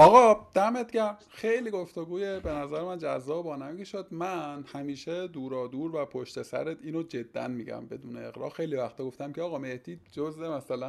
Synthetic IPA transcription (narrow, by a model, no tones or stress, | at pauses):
ɒːɣɒːd̪̥æmet̪̚ɟæm | xejliɡo̞ft̪oɡuːjebe̞næzæɾemænd͡ʒæzːɒːbbɒːnæmkʰeʃod̪mænhæmiːʃed̪uːɾɒːd̪uːɾvæpʰoʃt̪e̞sæ̰ɾet̪iːnod͡ʒe̞d̪ːæ̰nmiɟæ̰mbe̞d̪uːneeɣɾɒ̰ːxe̞jlivæxt̪ʰɒːɡo̞ft̪æmcʲʰeɒːɣɒːme̞hd̪̥iːd͡ʒozemæsælæ